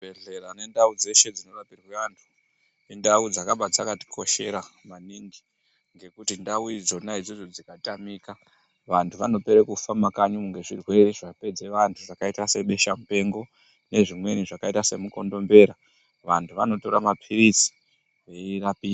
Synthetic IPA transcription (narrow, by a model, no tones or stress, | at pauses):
beɮerane̞ndaud͡ze̞ʃe̞d͡zino̞rapirweʋantʰu̥ | indaud͡zakaɓad͡zakati̥kʰo̞ʃe̞ɾamaniŋɡi | ŋɡe̞kutindauid͡zo̞naid͡zozod͡zikatamika | ʋantʰuʋano̞pe̞ɾekufamakaɲuuŋɡe̞ʐirwe̞reʐape̞d͡ze̞ʋantʰuʐakaitase̞ɓe̞ʃamupe̞ŋɡo̞ | ne̞ʐimwe̞niʐakaitase̞muko̞ndo̞mbe̞ɾa | ʋantʰuʋano̞to̞ɾamapʰiɾit͡si̥ | eirapiː